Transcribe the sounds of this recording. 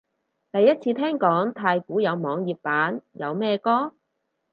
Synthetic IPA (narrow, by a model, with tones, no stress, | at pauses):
t̪ɐ˨jːɐ˥t̚t͡sʰiː˧t̪ʰɛː˥ŋkɔː˨˥ŋt̪ʰaː˧jkuː˨˥jɐ˨˧wmɔː˨˧ŋjiː˨p̚paː˨˥njɐ˨˧wmɛː˥kɔː˥